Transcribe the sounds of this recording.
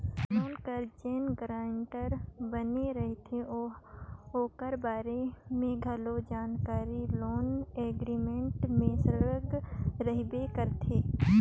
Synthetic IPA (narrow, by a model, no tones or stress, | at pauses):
loːnkəɾd͡ʒenɡɾaːɳʈəɾbəneɾɐɦit̪ʰeo | oːkəɾbaːɾemẽɡʱɐlod͡ʒaːnkaːɾiloːneːɡɾiːmẽɳʈmẽsɾɡɾəɦbekəɾt̪ʰeː